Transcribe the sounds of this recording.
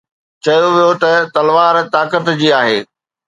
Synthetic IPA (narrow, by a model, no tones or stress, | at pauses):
t͡ɕɐjoʋijot̪ɐt̪ɐlʋaːɾt̪aːkət̪d͡ʑiːaːɦeː